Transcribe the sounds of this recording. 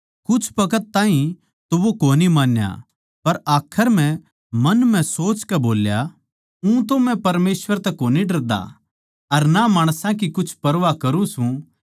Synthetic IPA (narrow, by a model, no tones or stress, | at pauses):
kʊt͡ʃʰpɐkət̪̚ːãːɦĩ | t̪oʋokoːnimaːnja̰ | pɐɾaːkʰəɾm̤ɛ̃ | mɐnm̤ɛ̃soːt͡ʃkɛboːlja | ũt̪omɛ̃pɐɾmeːsʋəɾt̪ɛkoːniɖɐɾd̪a̰ | ɐɾnamaːɽ̃sãk̬ikʊt͡ʃʰpɐɾʋakɐɾũsũ